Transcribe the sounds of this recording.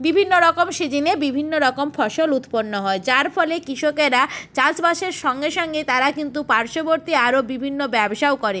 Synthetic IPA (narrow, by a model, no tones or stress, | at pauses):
bibʱinːoɾɔkomʃed͡ʑinebibʱinːoɾɔkomfʰɔʃolut̪ponːoɦɔed͡ʑaɾfʰɔlekɾiʃokeɾat͡ɕãt͡ɕbaʃeɾʃɔŋɡeʃɔŋɡet̪aɾakint̪upaɾʃoboɾt̪iaɾobibʱinːobɛboʃaokɔɾe